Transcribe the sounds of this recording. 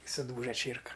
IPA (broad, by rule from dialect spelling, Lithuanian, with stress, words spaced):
ɪ sʊˈduːʒɐ ˈt͡ʃʲeːrkɐ